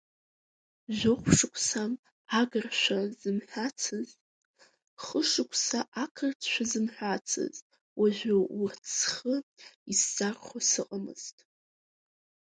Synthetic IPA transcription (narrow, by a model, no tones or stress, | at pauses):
ʒʷʊχʷʂɨkʷʰʼsam | aɡɨrʃʷᶣazɨmħʷᶣat͡sʰɨz | χəʂɨkʷʰsaʔakʰɨrt͡sʰʃʷᶣazɨmħʷᶣat͡sʰɨ̰z | wʔaʒʷᶣowrt͡sʰχəiszarχʷasɨqʼamɨ̰z̥tʼ